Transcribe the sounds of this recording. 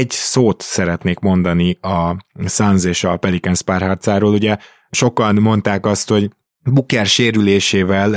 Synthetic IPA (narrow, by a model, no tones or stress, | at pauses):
ɛɟsoːt̪sɛɾɛt̪neːkmo̞nd̪ɒniɒsɒnzeːʃɒpɛlikɛnspaːrɦɒrt̪saːɾoːluɟɛ | ʃo̞kɒnmo̞nt̪aːkɒst̪ho̞ɟ | bukɛrʃeːɾyleːʃeːvɛl